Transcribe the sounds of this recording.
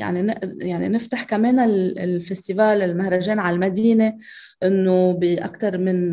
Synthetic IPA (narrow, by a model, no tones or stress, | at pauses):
ja̰ʕninɪʔjaʕnḭnɪft̪aħkameːnallfest̪ivaːlɪlmahɾˤaʒeːnʕalmad̪iːne | ʔɪnːobiʔa̰kt̪ɑɾˤmɪn